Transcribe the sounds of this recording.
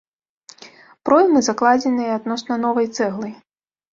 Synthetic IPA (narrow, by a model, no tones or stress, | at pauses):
pɾɔjʲmɨzaklˠad͡zʲɛnɨjɐad̪nɔsnɐnɔvɐjt̪sɛɣlˠɨj